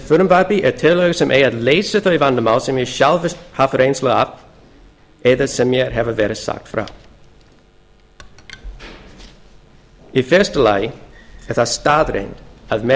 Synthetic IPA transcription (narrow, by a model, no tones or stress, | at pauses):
fʊɾəmvapiʔɛtʰɪlˠɔɡəsəmʔeatleːsəθovandəmalsɪmjɛʃalhafəɾẽːnsləap | ɛðəsəmːjɛːɾɦɛvəvɛɾəsa̰k̚tfɾa̰ː | ifɛstəlaɪəθastaːd̪ɾḛːnd̥aðmɛ